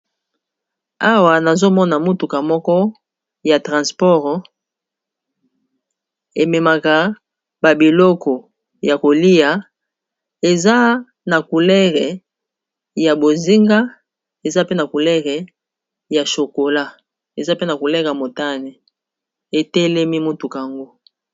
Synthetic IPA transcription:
a˦wa˨na˨zo˦mɔ˦na˨mo˦tu˨ka˨mɔ˦kɔ˦ | ja˨tʁã˨spɔ˦ʁ | e˨me˨ma˨ka˨ | ba˨bi˨lɔ˦kɔ˨ | ja˨ko˨li˦ja˨ | e˨za˦ | na˨ku˨lɛ˦ʁe˨ | ja˨bo˨zi˦ŋɡa˦ | e˨za˦pe˦na˨ku˨lɛ˦ʁe˨ | ja˨ʃo˨ko˨la˦ | e˨za˦pe˦na˨ku˨lɛ˦ʁja˨mo˨ta˦ni˨ | e˨te˦lɛ˦mi˦mo˦tu˨ka˨a˨ŋɡo˦

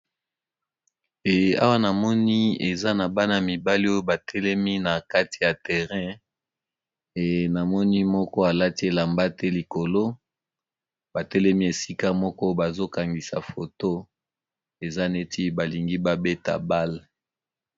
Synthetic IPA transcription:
e˨a̰˦wa˦na˨mɔ˦ni˦ḛ˨za˦na˨ba˦na˨mi˨ba˦li˦o˦o˦ba˨tʰɛ˦lɛ˦mi˦na˨ka˦ti̥˨ja˨tɛ˨ʁɛ̃˦ | e˨na˨mɔ˦ni˦mɔ˦kɔ˦a˨la˦ti˦e˨la˨mba˦tɛ˦li˨ko˨lo˦ | ba˨tɛ˦lɛ˦mi˦e˨si˦ka˦mɔ˦kɔ˦ba˨zo˦ka˨ŋɡi˨sa̰˨fo˨to˦ | e˨za˦ne˦ti˦ba˨li˨ŋɡi˦ba˦be˦ta̰˨ba˦l

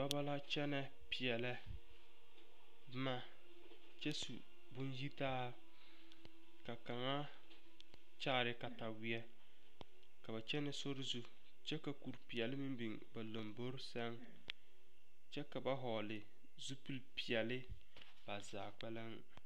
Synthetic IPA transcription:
ba˦ba˦la˦t͡ʃɛ˦nɛ˦ | pɪ˨ɛ˨lɛ˦ | bma˦ | t͡ʃɛ˦sṵ˨ | bʊ˦nji˦taː˦˨ | ka˨ka˨ŋa˦ | t͡ʃaː˦˨ɾɪ˨ka˨ta˨wɪ˦ɛ˦ | ka˨ba˨t͡ʃɛ˦nɛ˨so˦ɾɪ˦zu˦ | t͡ʃɛ˦ka˨ku˨ɾpi˨ɛ˨lɪ˦mi˦mbi˨ŋ | ba˨lo˨mbo˦ɾsɛ˦ŋ | t͡ʃɛ˦ka˨ba˦ɦɔ˨lɪ˨ | zu˦pi˦lpi˨ɛ˨lɪ˦ | b̥a˨za̰ː˨k͡pɛ˦la˦ŋ

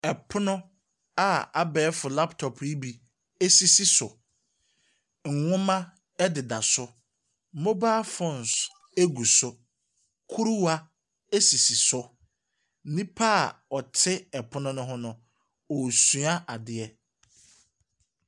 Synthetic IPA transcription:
ɛ˨pʰʊ˦nʊ̃˦ | a˦a˨bɛː˨˦fʊ˨la˦ptʰɔ˨pʰi˦bi˨ | e˦si˨si˦sʊ˨ | ŋ̩˨ŋʊ̃˦mã˦ | ɛ˦dɪ˨da˨sʊ˦ | mõ˦baː˦fɔ̃˨n˨s | e˦ɡu˨sʊ˦ | kʰu˦ɾu˦wa˦ | e˦si˨si˨sʊ˦ | nĩ˦pʰa˦˨ɔ˨tʰɪ˦ɛ˨pʰʊ˦nʊ̃˦nʊ̃˦ɦʊ̃˦nʊ̃˨ | ɔ˨su˨a˦ʔa˨dɪ˨ɛ˦

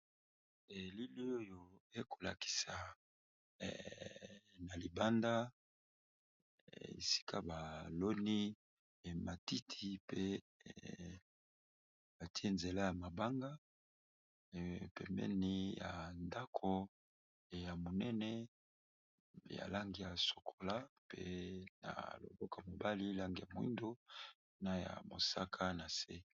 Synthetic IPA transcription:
e˨li˦li˦o˦jo˨e˦kʰo̥˨la̰˨ki̥˨sa˨ | na˨li˨ba˦nda˦ | ḛ˨si̥˦kʰa˦ba˨lo˦ni˦˨ | ma˨ti˦tʰi˨˦pe˦˨ | ba˨ti˦e˦nze˨la˦ja˨ma˨ba˦ŋɡa˦˨ | pɛ̰˨mbɛ̰˦ni˦ja˨nda˦kʰo˦˨ | ja˨mo˨nɛ˦nɛ˦ | ja̰˨la˦ŋɡi˨ja˨so̥˨kʰo˨la˦pḛ˦na̰˨lo̰˨bɔ˦kmo˨ba˦li˦la˦ŋɡi˨ja˨mo˨ḭ˦ndo˦ | na˦ja̰˨mo̰˨sa˦kʰa˦na˨sḛ˦

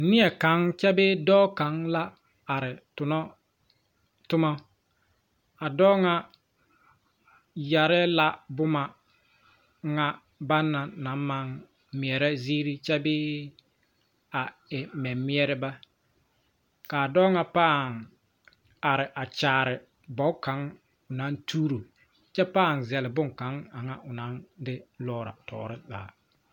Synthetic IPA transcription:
nɪ˦ɛ˨ka˨˦ŋt͡ʃɛ˦bɪ˦dɔː˦ka˨˦ŋla˦ | a˨ɾɪ˨tʊ˨nɔ˦ | tʊ˦ma˦ | a˨dɔː˦ŋa˦ | ja˨ɾɛ˦la˦bʊ˦ma˨ | ŋa˦ | ba˦nːa˨na˨˦m˦ma˨ŋ | mi˨ɛ˨ɾɛ˦ziː˦ɾi˦t͡ʃɛ˦bɪː˦ | a˨ɛ˨mɛ˨mɪ˦ɛ˦ɾɪ˦ba˦ | kaː˨dɔː˦ŋa˦paː˦˨ŋ | a˨ɾɪ˨ʔa˨t͡ʃaː˨ɾɪ˨ | bɔ˨˦ka˨˦ŋ | ʊ˨na˨˦ntʰuː˦ɾo˨ | t͡ʃɛ˦paː˦˨ŋzɛ˨lɪ˨bʊ˦˨ŋka˨˦ŋa˨ŋa˦ʔʊ˨na˨˦ndɪ˦lɔː˦˨ɾa̰˨tɔ̰ː˨ɾɪ˦za̰˨a˨

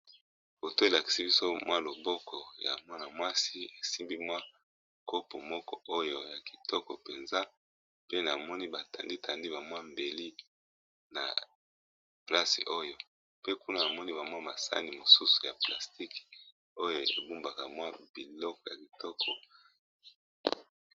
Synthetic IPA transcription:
bo˨to˦e˨la˨ki̥˨si˦bi˦so˦mwʔa˦lo˨bɔ˦kʰɔ˨ja̰˨mwa˦na˨mwa˦si˦e˨si˦mbi˦mwa˦ | ko˦po˨mɔ˦kɔ˦ʔo˦jo˦ja˨ki̥˨tʰɔ˦kɔ˨pe˨nza˦ | pe˦na˨mɔ˦ni˦ba˨ta̰˨ndi˦tʰa˨ndi˦ba˨mwa˦mbe˨li˦ | na̰˨ | pla˦sḭ˨ʔo˦jo˦ | pe˦ku˦na˦a˨mɔ˦ni˦ba˨mwa˦ma˨sa̰˦ni˨mo˨su˦su̥˨ja̰˨pla˨sti˦k | o˦jo˨ḛ˨bu˦mba˨ka˨mwa˦b̥i˨lɔ˦kɔ˨ja˨ki˨tɔ˦kʰɔ˨

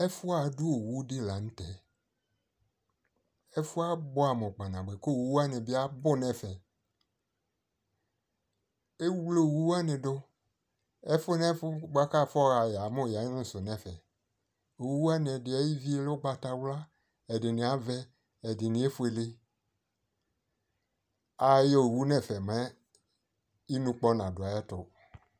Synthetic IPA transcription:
ɛ˦fu˦a˨˦du˦o˨wu˦de˦la˨ŋ̩̃˦t̪ɛ˨ | e˦fu˦a˦bo˦a˨mɔ˨k͡pa˨nã˨ɡ͡be˨ko˦˨wu˨˦a˦nẽ˨bi˦a˦bʊ˦nɛ̃˦fɛ˨ | e˦wwlo˦˨wu˦wa˦nẽ˨ɖo˦ | ɛ˦fʊ˦nɛ˦fʊ˦ɡ͡ba˦ka˦˨fɔ˦ɣa˨ja˨mo˦˨ja˨˦nũ˦sʊ˨nɛ̃˦˨fɛ˨ | o˨wu˦a˦nɪ̃˨ɛ˨dɪ˨ɛ˦ji˦vi˦e˦lo˦ɡ͡ba˧ta˧wla˦ | ɛ˨dɪ˨nĩ˨a˨vɛ˦ | ɛ˨dɪ˨nĩ˨˦e˦fʊ˦e˨lɪ˦ | a˨jo˦˨wu˦nɛ̃˦˨fɛ˨mɛ˦ | i˦nũ˧k͡pɔ˦nã˨dʊ˨a˨˦ɛ˦tʊ˨

